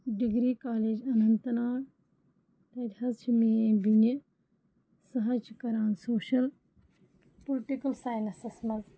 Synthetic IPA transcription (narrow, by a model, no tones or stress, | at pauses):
ɖiɡɾiːkaːleːd͡ʒɐnɐnt̪ɐnaːɽ | t̪ɐt̪ʲhɐzt͡ʃʰimiẽbinɐ | sɐɦɐt͡ʃʰikɐɾãːnsoːʃɐl | pulʈikɐlsaːjnɐsɐsmɐz